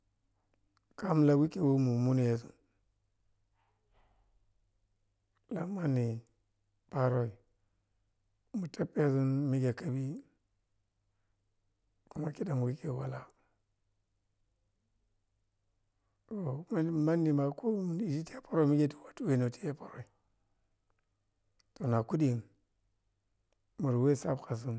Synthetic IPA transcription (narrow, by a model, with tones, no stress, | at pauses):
ka˦m˦la˨wi˦ke˦˨wo˦mu˨mu˦n˨je˨zu˨n | la˨ma˦nːi˨ | pa˨ɾo˦i˨ | mu˨te˦pːe˦zu˦nmi˦ɡe˨ka˦bi˦ | ku˦ma˦ki˦da˨m˨wi˦ke˨wa˨la˦ | to˨m˦ma˦nːi˨ma˨kʰo˦mu˨i˨d͡ʒi˦ti˦ja˦pa˦ɾo˦˨mi˦ɡe˦ti̥˦wa˨tu˦we˦˨no˨tʰi̥˦je˦pa˦ɾo˨i˨ | to˨na˨ku˦di˨n | mu˨ɾwe˦sa˦bka˨s̬i˦n